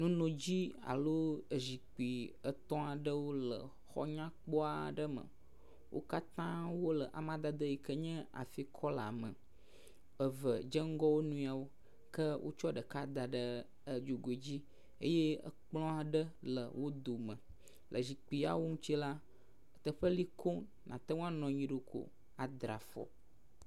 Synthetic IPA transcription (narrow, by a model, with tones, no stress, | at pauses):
nũ˦nõ˨d͡ʑi˦a̰˨lo˦ə˨zi˨k͡pi˨ə˨t̪ɔ̃˦a˨ɖə˦wo˦lə̰˨ | xɔ̰˦ɲã˦k͡pɔ˦a˨ɖə˦mə̰̃˨ | wʔo̰˦ka˦t̪ã˦wo˦lə˨ʔa̰˨mã˦d̪a˨d̪ə˦ji˨kə˦ɲɛ̃˦a̰˨fi˦kʰɔ˦la˨mə̰̃˨ | ə˨və˨d͡ʒə˦ŋ̩˦ɡɔ˦wo˦nũ˦˨a˨wo˦ | kə˦wʔo̰˦t͡ʃɔ˦ɖə˨ka˦d̪a˨ɖə˦ | ə˨d͡ʒu˨ɡo˨e˨d͡ʑi˦ | ḛ˦je˦ə̰˨k͡plɔ̃˦a˦ɖə˦lə˨wo˦d̪o˨mə̃˨ | lʔə̰˨d͡ʑi˨k͡pi˦a̰˦wo˦ŋũ˦t͡ɕi˦la˦ | ə˨t̪ə˨ɸə˦li˦kʰo˦ | nʔã˨t̪ə˦ŋũ˦a˦nɔ̃˨ɲĩ˨˦ɖo˨kʰo̰˨ | a˨d̪ɾa˨fɔ̰˨